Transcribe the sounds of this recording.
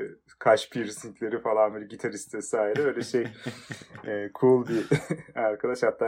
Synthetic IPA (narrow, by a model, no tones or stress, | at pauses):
kʰaʃpʰiɾsint̪lʲe̞ɾifalˠanbilɟit̪ʰaɾist̪vɛsaːiɾɛøjlʲɛʃej | ɛːkʰulˠbiaɾkʰad̪aʃhat̪ːa